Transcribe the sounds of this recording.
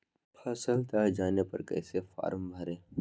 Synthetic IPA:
pʰɐsəlt̪aːd͡ʒaːnepɐ̰ɾkɛ̰ːsefa̰ːɾəmbʱɐɾẽː

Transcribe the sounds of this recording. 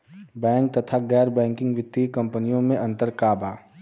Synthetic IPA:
bɛ̃ːŋk̚t̪ɐt̪ʰaɡɛːɾbɛ̃ːŋkɪ̃ŋɡʋɪt̪ːikɐ̃mpənijõmẽʔɐ̃nt̪əɾkaːbaː

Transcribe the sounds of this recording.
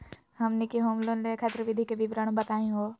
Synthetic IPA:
ɦɐmnekiɦoːmlõnlekʰat̪ɾəʋid̪ʱikeʋibɾəɳ̃bɐt̪aːĩɦo

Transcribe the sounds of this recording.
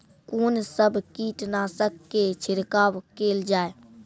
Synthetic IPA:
koːnsəbʱkiːʈnasəkːet͡ʃʰɪɾkaːwkeːld͡ʒaːe

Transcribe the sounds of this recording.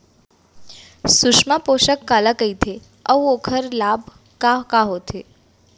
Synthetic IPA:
suʃmapoʃəkːalakəit̪ʰe | əũokʰəɾlabʱ | kakaɦot̪ʰe

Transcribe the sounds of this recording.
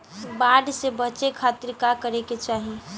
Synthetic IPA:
baɖsebət͡ʃekʰat̪iɾkakəɾeket͡ʃaːɦi

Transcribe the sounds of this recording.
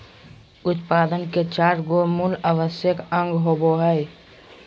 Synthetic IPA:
ʊt̪paːd̪ənket͡ʃaːɾɡomulaʋəsjəkə̃ŋɡɦoboɦɛɪ

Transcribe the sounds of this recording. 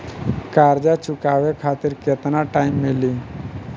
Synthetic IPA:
kaɾd͡ʒat͡ʃʊkaʋekʰaːt̪ɪɾket̪naʈaːɪmːeli

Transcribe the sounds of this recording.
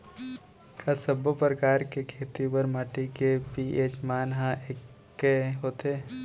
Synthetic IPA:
kʰasəbʱəpɾəkaːɾkekʰeːt̪ipəɾmaːʈikepieːt͡ʃmaːnɦãʔekː | eɦoːt̪eː

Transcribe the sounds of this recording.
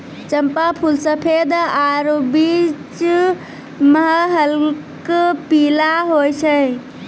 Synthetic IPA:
t͡ʃəmpapʰulsəpʰed̪aɾobit͡ʃ | məɦəɦəlkpilaɦojt͡ʃʰəj

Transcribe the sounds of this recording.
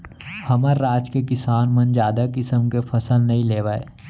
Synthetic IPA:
hɐməɾːaːd͡ʒkekɪsaːnmənd͡ʒjaːd̪akɪsəmkepʰɐsəlnɐɦĩleːʋaːḛː

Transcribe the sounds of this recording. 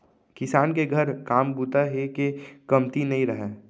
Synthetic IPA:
kɪsaːnkeɡʱəɾkaːmbut̪aɦekekɐmt̪inɐɦĩɾɐɦɛː

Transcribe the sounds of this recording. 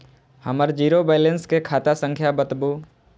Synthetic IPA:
həməɾd͡ʒiːɾobɛːlə̃nskekʰaːt̪asə̃ŋkʰjabət̪bo

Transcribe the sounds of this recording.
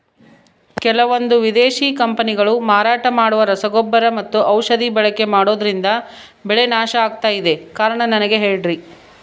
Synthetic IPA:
kɛlɐʋond̪uʋid̪eːʃiːkɐmpɐniɡɐɭumaːɾaːʈɐmaːɽuʋɐɾɐsɐɡɔbːɐɾɐmɐt̪ːuʔɐwʃɐd̪ibɛɭɐkːe̞maːɽoːd̪ɐɾind̪ɐ | bɛɭe̞naːʃɐaːɡ̚t̪aːjid̪e̞kaːɾɐɳɐnɐnɐɡe̞ɦe̞ːɭɖɾi

